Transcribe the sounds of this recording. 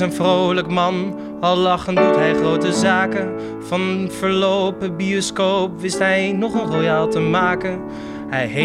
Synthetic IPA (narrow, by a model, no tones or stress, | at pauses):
ənvrowləkmɑn | ɑlˠːɑχəndutɦɛjχrowtəzaːkən | v̥ɑnv̥əɹlowpəbioskowpʋɪstɦɛjnɔχənrojaːlˠtəmaːkən | hɛjɦe